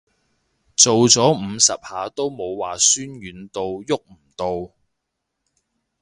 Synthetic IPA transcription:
t͡so˨wt͡sɔː˨˥m̩ː˨˧sɐ˨p̚haː˨˧t̪o˥wmo˨˧wwaː˨˩syː˥nɥyː˨˥nt̪o˧wjʊ˥k̚m̩˨˩t̪o˧w

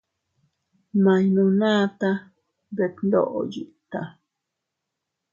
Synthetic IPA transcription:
ma˨jnũ˨naː˦t̪a | be˨knd̪o̰˦ʔo̰˨ji˨ʔt̪a˨

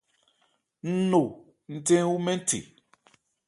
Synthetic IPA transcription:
n̩˦no˨ | n̩˦tẽ˦wu˦mɛ̃˦n˦tḭ˨

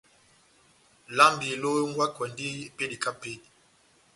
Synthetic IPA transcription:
la˦mbi˨lo˦ŋ˦ɡwa˦kwɛ˨ndi˦pe˦di˨ka˦pe˦di˨

